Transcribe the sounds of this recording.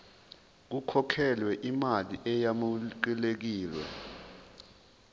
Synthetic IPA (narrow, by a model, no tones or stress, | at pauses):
k̬ukʰɔkʰɛlwɛʔimaliʔɛjamuǃilek̬iːlwɛ̰